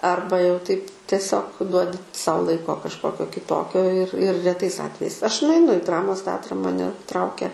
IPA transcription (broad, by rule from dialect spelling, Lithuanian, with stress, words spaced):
ˈɐrbɐ jɛʊ tɐɪp tʲiɛˈsʲoːk ˈduɔdʲɪ ˈsɐʊ ˈlˠɐɪkoː kɐʃˈkoːkʲoː kʲɪˈtoːkʲoː ɪr ɪr rʲɛˈtɐɪs ˈɑːtʲʋʲɛjɛɪs ˈɐʃ nʊɐɪˈnʊ ɪ ˈdrɑːmoːs ˈtʲɛɐtrɐ mɐˈnʲɛ ˈtrɐʊkʲɛ